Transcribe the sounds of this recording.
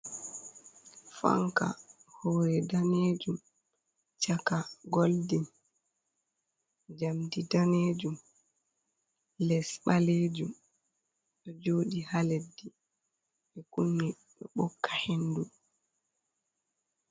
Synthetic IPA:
fa̰ŋka̰hɔɾɛdaneːd͡ʒum | t͡ʃakaɡɔldin | d͡ʒamdidaneːd͡ʒum | lɛsɓaleːd͡ʒum | ɗɔd͡ʒoːɗihaledːi | ɓɛkunːi | ɗɔɓɔkʰːḁhendu

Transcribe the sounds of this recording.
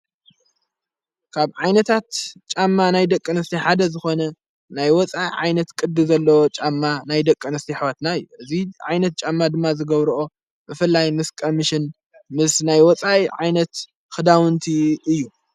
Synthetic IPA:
kʰaβʕajnɐt̪ʰat̪t͡ʃʼamːanajd̪ɐkʼːɨnɨst̪ʰiħad̪ɐzɨxo̞nɐ | najwɔt͡sʼaiʕajnɐt̪kʼɨd̪ɨzɐlːɐwot͡ʃʼamːanajd̪ɐkʼːɨnɨst̪ʰiħβat̪naɨjːuʔɨziʕajnɐt̪̚t͡ʃʼamːad̪ɨmːazɨɡɐβɾuʔo̞ | bɨfɨlːajmɨskʼomɨʃɪn | mɨsnajwɔt͡sʼajiʕajnɐt̪ | xɨd̪awɨnt̪ʰiɨjːu

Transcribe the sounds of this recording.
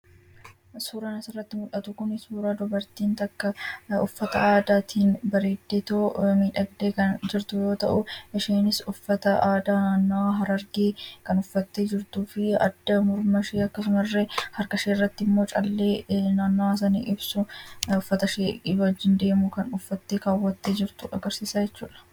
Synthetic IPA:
suːɾaːnɐsɪrːɐt̪ːɪmʊᶑɐt̪ʊkʊnɪsuːɾaːd̪ʊbɐɾt̪iːnt̪ɐkːɐʊfːɐt̪ɐaːd̪aːt̪ʰiːnbɐɾeːd̪ːeːt̪oːmiːᶑɐɡd̪eːkɐnd͡ʒɪɾt̪ʊjo̞ːt̪ɐ̰ʔʊʔɛʃeːnɪsʊfːɐt̪ɐaːd̪aːnaːnːaɦɐɾɐɾɡeːkɐnʊfːɐt̪ːeːd͡ʒɪɾt̪uːfɪɐ̰d̪ːɐmʊɾmɐʃeːɐkːɐs̬ʊmɐrːehɐɾkɐʃeːrːɐt̪ːɪɪmːo̞ːt͡ʃʼɐlːe̞ːnaːnːas̬ɐnḭːʔɪbsʊʊfːɐt̪ɐʃeɪɐd͡ʒːɪnd̪e̞ːmʊkɐnʊfːɐt̪ːe̞ːkaːwːɐt̪ːe̞ːd͡ʒɪɾt̪ʊʔɐɡɐɾsiːsaːd͡ʒɛt͡ʃːuːᶑɐ̥

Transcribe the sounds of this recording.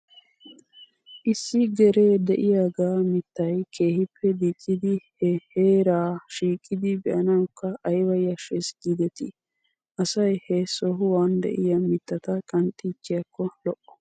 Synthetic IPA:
ʔɪsːɪɡɛɾeːd̪ɛʔɪjaːɡaːmɪt̪ːɐjkʰe̞ːhɪpʰːɛd̪it͡ʃʼːɪd̪ɪhɛheːɾaːʃiːkʼːɪd̪ɪbɛʔɐnɐwʊkːɐʔːjwɐjɐʃɛsɡid̪ɛt̪ɪ | ʔɐsɐjhɛsɔɦʊwaːnd̪ɛ̰ʔɪjɐmɪt̪ːɐt̪ɐkʼɐnt̪ʼiːt͡ʃːɪjɐkːɔlɔʔɔ̥

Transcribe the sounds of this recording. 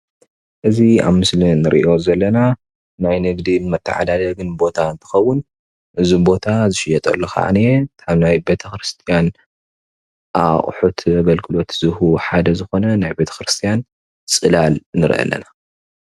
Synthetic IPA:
ʔɨzia̰βmɨslinɨɾʔḭʔo̞zɐlːɐna | najnɨɡd̪imɐt̪ʰːɐʕa̰d̪alɐɡɨnbo̞t̪ʰaɨnt̪ʰɨ̥xɐwːʊn | ʔɨzubo̞t̪ʰazɨʃɪjɛt̪ʼɐ̰lːɐxa̰ʕa̰niet̪ʰaβnajbe̞t̪ʰɐxɾɨst̪ʰijan | ʔaχʼħut̪ʰɡɐlkʰɨlo̞t̪z̥ɨhuħad̪ɐzɨxo̞nɐnajbe̞t̪ʰɐ̥kɾɨst̪ʰijan | t͡sʼɨlalnɨɾ̰ʔɐ̰lːɐ̰na

